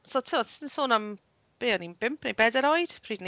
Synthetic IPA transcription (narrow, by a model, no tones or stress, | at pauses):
sotʰiɔtssoːnam | b̥eːɔninbɪmpʰnejbɛdɛɾɔjd̥pʰriːdn